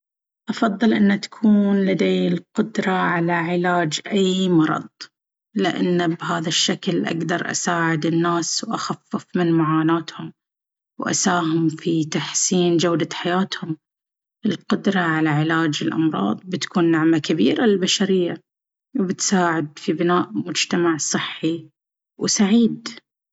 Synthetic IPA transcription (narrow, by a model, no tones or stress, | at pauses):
ʔɑfɑðˤːɨlʔɪnːat̪ḁkʰuːnlad̪aːɪlqʊd̪ɾˤɑʕalaʕɪlaːd͡ʒʔajmɑɾˤɑ̰d̪ˤ | lɪʔanːbɦaːðaʃːaklʔa̰ɡd̪ɑɾˤʔa̰saːʕɪd̪ɪnːaːswʔaxafːɪfmɪnmaʕaːnaːt̪hʊm | wʔa̰saːhʊmfit̪aħsiːnd͡ʒawd̪aħajaːt̪hʊm | ɪlqʊd̪ɾˤɑʕalaʕɪlaːd͡ʒɪlʔɑ̰mɾˤɑ̰ːðˤbɪt̪kuːnːaʕmakabiːɾalɪlbaʃaɾɪjːa | wbɪt̪saːʕɪd̪̚fibɪnaːʔmʊd͡ʒt̪amaʕsˤɨħːi | wsaʕiːd̪